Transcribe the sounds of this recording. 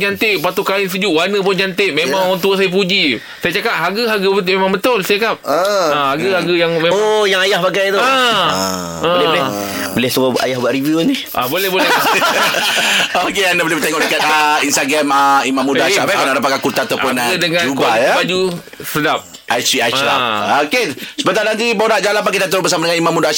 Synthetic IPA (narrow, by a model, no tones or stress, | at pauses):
d͡ʒant̪ɪʔpat̪ukaɪns̬əd͡ʒuʔwanəp̬ʊnd͡ʒant̪ɪʔmemãŋant̪uəsajap̬ud͡ʒi | sajat͡ʃakap̚ɦaɡəɦaɡəbət̪memaŋbət̪ʊlsakap̚əəhaɡəhaɡəjaŋmeojaŋajahbaɡajt̪ua | əlɛ | bolɛhsəbaa̰jahbuaʔɾiviunihʔabolɛhbolɛ | okeanabolebət̪ɛŋɔʔdəkat̪ainst̪aɡɾaməimãmːudaaaʔakanaʔdapat̪̚kakurt̪at̪awpʊnaɡadəŋad͡ʒubkajabad͡ʒu | sədap̚ | at͡ʃiaaokesə̥pənt̪anant̪ibawnaʔd͡ʒalapakid̪at̪əɾʊbəs̬amadəŋanimãmːudaaʃ